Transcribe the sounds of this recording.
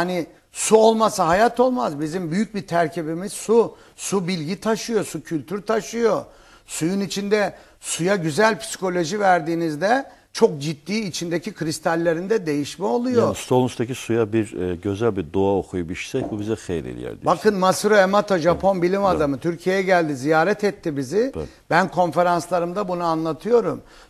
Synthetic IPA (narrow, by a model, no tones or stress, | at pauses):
ani | suo̞lˠmasaɦajat̪ʰo̞lˠmazbizimbyjyc̚bit̪ʰæɾcʰibimiz̥su | subilʲɟit̪ʰaʃɯjo̞sucʰylʲt̪ʰyɾt̪ʰaʃɯjo̞ | sujunit͡ʃʰind̪ɛ | sujaɟyzælʲpʰi̥si̥kʰo̞lʲo̞ʒivæɾd̪iːnizd̪ɛ | t͡ʃʰo̞k̚d͡ʒit̪ːiːt͡ʃʰind̪ecʰikʰɾist̪ʰalʲːe̞ɾind̪ɛd̪e̞jiʃmɛo̞lˠujost̪ʰolˠunst̪acisujabiɾɟøzælʲbiɾd̪oaokʰujubiʃi̥sɛbubizɛxḛjɾḛlʲijɛ̰ɾd̪ibakʰɯnmasɾoemat̪ʰoʒapʰo̞nbilʲimad̪amɯt̪ʰyɾcʰije̞jɛɟælʲd̪izijaːɾɛt̪ʰɛt̪ʰːibizɪ | bænkʰo̞nfe̞ɾanslˠaɾɯmd̪abunuanlˠat̪ʰɯjo̞ɾum